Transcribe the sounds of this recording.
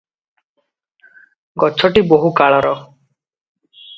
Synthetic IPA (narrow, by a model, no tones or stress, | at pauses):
ɡɔt͡ʃʰɔʈiboɦukaɭɔɾɔ